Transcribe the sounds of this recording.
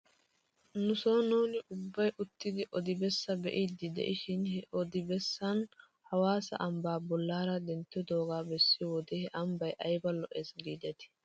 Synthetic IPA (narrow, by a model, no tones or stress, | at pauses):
nʊsoːnuːnɪʔʊbːɐjʔʊt̪ːɪd̪ɪʔɔd̪ɪbɛsːɐbɛ̰ʔid̪ːɪd̪ɛ̰ʔɪʃɪnhɛʔɔd̪ɪbɛsːɐn | hɐwaːsɐ̰ʔɐmbaːbɔlːaːɾɐd̪ɛnt̪ːɪd̪o̞ːɡaːbɛsːɪwɔd̪ɛhɛʔɐmbɐjʔɐjbɐlɔʔɛsɡiːd̪ɛt̪ɪ̥